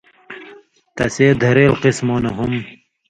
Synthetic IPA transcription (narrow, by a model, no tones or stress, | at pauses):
t̪ɐseːd̪ʱɐɾeːlqismoːnɐɦum